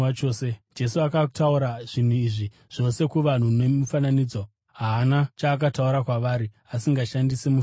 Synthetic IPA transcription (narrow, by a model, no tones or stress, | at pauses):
at͡ʃoːsed͡ʒe̞suakatauɾaʐ̥in̤uiʐi | ʐ̥o̞se̞kuʋan̤unemufananiːd͡zo̞ | ɦaːnat͡ʃaːk̬atauɾakwaʋaːɾi | asiŋɡaʃandisemu